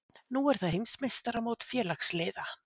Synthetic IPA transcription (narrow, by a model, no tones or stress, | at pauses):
nuːɛɾ̥θaðɦejmsmejst̪aɾamoːwt̪fjɛːlaxkslɪːða